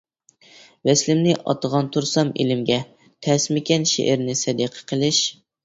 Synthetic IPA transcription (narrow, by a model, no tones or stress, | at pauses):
wɛslɪmnɪʔɑ̰t̪əʁɑnt̪ʰuɾsɑmḛlɪmɡʲɛ | t̪ʰɛsmɪkʲɛnʃḛʔɪɾnɪsɛd̪iqʰə̥qʰəlˠɪʃ